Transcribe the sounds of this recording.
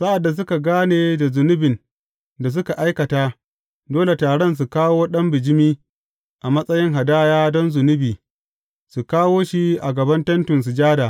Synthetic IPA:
sa˦ʔa˨dːa˨s̬ʊ˦ka˨ɡaː˦neː˨da˨zʊ˨nʊ˦bɪ˨n | da˨s̬ʊ˦ka˨ʔa˦jkɐ˨taː˦ | doː˦le˨taː˨ɽɔ˦ns̬u˨kaː˦woː˦ɗɐ˦mbɪ˨d͡ʒɪ˦miː˦ | ʔa˨mɐ˦sʼɐ˦jɪ˦ŋɦa˨daː˦jaː˦dɔ˦nzʊ˨nʊ˦biː˨ | su˨kaː˦woː˦ʃi˦ʔa̰˨ɡɐ˨bɐ˦ntɛ˦ntʊ˨ns̬u˨d͡ʒaː˦daː˨

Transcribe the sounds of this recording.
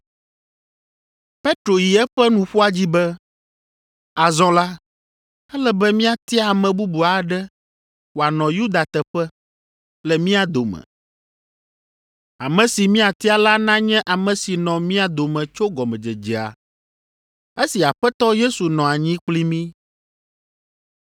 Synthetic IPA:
pe˦t̪ɾo˨ji˨ɛ˦ɸɛ˦nũ˨ɸu˦a˦d͡ʑi˦bɛ˦ | a˨zɔ̃˦la˦ | ɛ˦lɛ˦bɛ˦mĩ˦a˨t̪i˦a˨mɛ̃˨bu˦bu˨a˨ɖɛ˦ | wo˨a˨nɔ̃˨ju˦d̪a˨t̪ɛ˨ɸɛ˦ | lɛ˨mĩ˦a˨d̪o˨mɛ̰̃˨ | a˨mɛ̃˨si˨mĩ˦a˨t̪i˦a˦la˦nã˦ɲɛ̃˦ʔa˨mɛ̃˨si˨nɔ̃˨mĩ˦a˨d̪o˨mɛ̃˨t͡ʃo˦ɡɔ˨mɛ̃˨d͡ʒɛ˨d͡ʒɛ˨a̰˨ | e˦si˨a˨ɸɛ˦t̪ɔ˦je˦su˨nɔ̃˨a˨ɲĩ˦k͡pli˦mĩ˦

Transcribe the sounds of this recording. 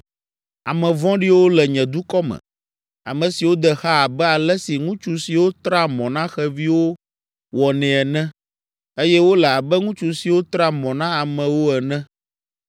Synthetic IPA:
a˨mɛ̃˨vɔ̃˦ɖi˦wo˦lɛ˨ɲɛ̃˨d̪u˦kɔ˦mɛ̰̃˨ | a̰˨mɛ̃˨si˨wo˦d̪ɛ˨xa˦a˨bɛ˦a˨lɛ˦si˨ŋũ˦t͡ʃu˦si˨wo˦t̪ɾa˦mɔ̃˨nã˦xɛ˦vi˦wo˦ | wɔ˨nɛ̃˨ɛ˨nɛ̃˦ | e˦jɛ˦wo˦lɛ˨a˨bɛ˦ŋũ˦t͡ʃu˨si˨wo˦t̪ɾa˦mɔ̃˨nã˦a˨mɛ̃˨wo˦ɛ˨nɛ̃˦

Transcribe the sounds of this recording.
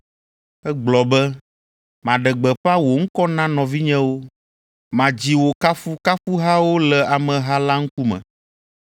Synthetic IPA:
ɛ˦ɡ͡blɔ˨bɛ˦ | mã˨ɖɛ˨ɡ͡bɛ˨ɸa˦wo˨ŋ̩˦kɔ˦nã˦nɔ̃˨vi˦ɲɛ̃˦wo˦ | mã˨d͡ʑi˨wo˨ka˦fu˦ka˦fu˦ɦa˦wo˦lɛ˨a˨mɛ̃˨ɦa˦la˦ŋ̩˦ku˦mɛ̰̃˨

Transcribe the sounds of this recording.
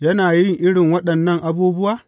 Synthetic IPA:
jɐ˦naː˨jɪ˦ŋʔɪ˦ɽɪ˨ŋwɐ˦ɗɐ˨nːɐ˦ŋʔa˦buː˦bʊ˦waː˨

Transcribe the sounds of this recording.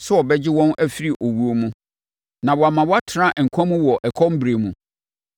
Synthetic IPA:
sʊ˦ɔ˨bɛ˦d͡ʑɪ˦wɔ̃˦nʔæ˦fi˦ɾi˦˨ʔo˨wu˦o˦mũ˦ | nã˨wɔ˨a˨mã˨wɔ˦a˦tʰnã˦˨ʔŋ̩˨kʷʰã˦mũ˦wɔ˨ʔɛ˨kʰɔ˦m˦bɾe˨mũ˨

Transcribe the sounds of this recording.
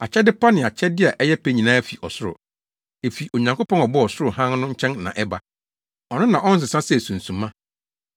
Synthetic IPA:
a˨t͡ɕʰɛ˦dɪ˦pʰa˦nɪ̃˨a˨t͡ɕʰɛ˦dɪ˦a˨ʔɛ˦jɛ˦pe˦ɲĩ˨nãː˦fi˨ɔ˨sʊ˦ɾʊ̰˨ | e˨fi˨ʔo˨ɲã˨ŋko˦pɔ̃˦nɔ˨bɔ˦ɔ˨sʊ˦ɾʊ˨hã˦n˦nʊ̃˦ɲ̩˦t͡ɕʰɛ̃˦nnã˨ʔɛ˦ba˦ | ɔ˨nʊ̃˦nã˨ʔɔ̃˦n̩˦s̬ɪ˨sã˦sɛ˨sũ˨n˨sũ˨mːã˦

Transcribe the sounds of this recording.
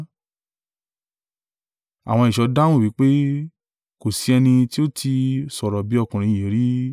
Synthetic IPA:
a̰˨w̃ɔ̃˧i˨ʃɔ˨˧˦da˦ũ˦˨wi˨˦k͡pe˦ | ko˨si˨˧˦ɛ˧nĩ˧ti˦o˦tʰi˧sɔ˨ɾɔ˨bi˨˦ɔ˦˧kũ˨ɾ̃ĩ˧˦˨ẽ˨˦ɾi˦

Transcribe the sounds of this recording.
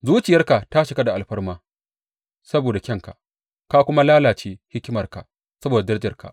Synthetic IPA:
zuː˦t͡ʃɪ˨jɐ˦rka˨ta˦ʃɪ˨ka˦da˨ʔa˨lɸɐ˦rmaː˦ | sɐ˦boː˨da˨kʲɐ˦ŋka̰˨ | ka˦kʷʊ˦ma˦laː˦laː˨t͡ʃeː˦hɪ˦kʲɪ˦mɐ˨rka̰˨ | sɐ˦boː˨da˨dd͡ʒɐ˦˨rka̰˨ʔ

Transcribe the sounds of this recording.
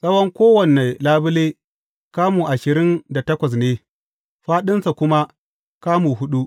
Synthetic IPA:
sɐ˦wɐ˦ŋkʷoː˦wɐ˨ne˨laː˦bɪ˦leː˦ | kaː˦muː˨ʔa˨ʃɪ˨ɾɪ˦nda˨tɐ˦kʷɐ˨s̬neː˦ | ɸaː˦ɗɪ˦nsa˨kʷʊ˦ma˦ | kaː˦muː˨ɦʊ˦ɗu˦ʔ

